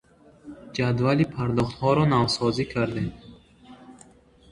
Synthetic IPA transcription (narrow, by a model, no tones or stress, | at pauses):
d͡ʒad̪valipʰaɾd̪ɔχt̪hɔɾɔnavsɔzikʰaɾd̪em